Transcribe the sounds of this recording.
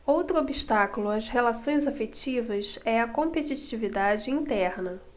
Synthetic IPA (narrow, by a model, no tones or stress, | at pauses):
owt̪ɾʊobiʃt̪akulʊɐzhelasõj̃zafet͡ʃivɐsɛɐkõmpet͡ʃit͡ʃivid̪ad͡ʒɪĩnt̪ɛɾnɐ